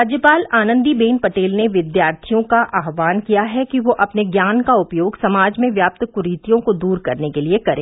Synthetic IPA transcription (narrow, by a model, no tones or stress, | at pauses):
ɾɾaːd͡ʒjəpaːlaːnə̃nd̪ibeːnpɐʈeːlneʋɪd̪jaːɾt̪ʰijõkaʔaːɦʋaːnkijaɦɛkiʋoʔɐpneɡjaːnkaʊpjoːɡsɐmaːd͡ʒmẽʋjaːp̚t̪kʊɾiːt̪ijõkod̪uːɾkɐɾnekeliekɐɾẽː